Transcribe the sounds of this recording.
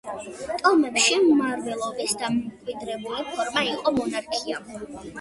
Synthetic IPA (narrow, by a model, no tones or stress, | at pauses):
t̪ʼɔmɛpʃimmaɾvɛlˠɔbisd̪amkʼwid̪ɾɛbulipʰɔɾmaiqʼɔmɔnaɾkʰia